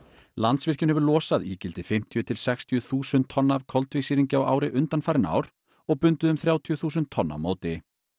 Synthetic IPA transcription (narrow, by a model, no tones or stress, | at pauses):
lant̪svɪr̥cʏnɦhɛvʏɾlɔːsaðiːcɪlt̪ɪ̥fɪm̥t̪ʰjʏt̪ʰɪlsɛxst̪ʰjʏθuːsʏnt̪ʰːɔnːavkʰɔlt̪vɪsiːɾiɲcɪawa̰ːwɾɪʔʏnt̪anfaːɾɪna̰ːwɾ | ɔɣpʏnt̪ʏðʏmθɾjaːwt̪ʰjʏθuːs̬ʏnt̪ʰːɔnːa̰vmoːwt̪ɪ